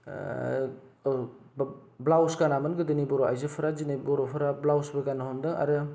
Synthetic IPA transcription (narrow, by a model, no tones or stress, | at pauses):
blawskanamɯnɡɯdɯnibɔɾoajzɯpʰɐɾad͡ʒinibɔɾopʰɐɾablawsbɐɡanaɦɔndɯŋa̰ɾɯ